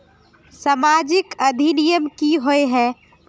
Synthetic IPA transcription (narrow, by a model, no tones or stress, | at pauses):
samad͡ʒɪkəd̪ʱinijəmkiɦoeɦɛ